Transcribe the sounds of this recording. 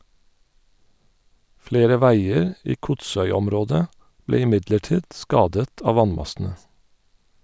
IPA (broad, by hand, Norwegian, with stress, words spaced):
ˈfleːɾə ˈʋæɪəɹ ˈiː ˈkʊtˌsœʏˌɔmˌɾoːdə ˈbleː ɪˈmɪdləˌʈiːd ˈskɑːdət ˈɑːʋ ˈʋɑnˌmɑsn̩ə